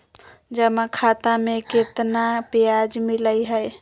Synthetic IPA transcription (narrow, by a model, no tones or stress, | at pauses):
d͡ʒəmakʰat̪ameket̪napijad͡ʒmiləjɦəj